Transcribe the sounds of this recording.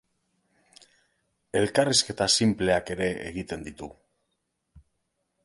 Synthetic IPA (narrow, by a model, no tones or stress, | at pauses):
e̞lkariske̞t̪asimple̞ake̞ɾe̞ʔḛɣit̪e̞nd̪it̪u